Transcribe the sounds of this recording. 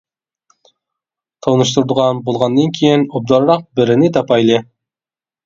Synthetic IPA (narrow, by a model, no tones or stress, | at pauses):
t̪ʰɑwnɨʃt̪uɾd̪əʁɑnbolˠʁɑnːɨnkʲʰejinob̚d̪ɑɾɾɑq̚bɪɾɪnɪt̪ʰɑpɑjlˠɨ